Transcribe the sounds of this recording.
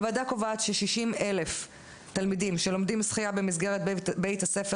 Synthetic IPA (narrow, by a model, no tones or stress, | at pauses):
vadako̞vaːt̪ʃeʃiʃime̞le̞f | t̪almidimʃelo̞md̪imsχijabemisɡeʁet̪̚bejtase̞fe